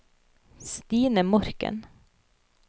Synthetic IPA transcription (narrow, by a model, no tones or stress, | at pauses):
st̪iːnəmɔɾkə̰n